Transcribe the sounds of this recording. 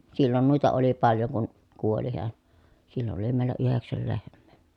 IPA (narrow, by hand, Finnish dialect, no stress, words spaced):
silːon nuˑitɑ oli pɑljoŋ kun kuoli heæn silːon oli meˑi̯lˑæ yheksæl lehmˑeˑ